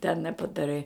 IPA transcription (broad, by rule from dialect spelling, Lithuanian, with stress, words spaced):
tʲɛn nʲɛpɐdɐˈrɐɪ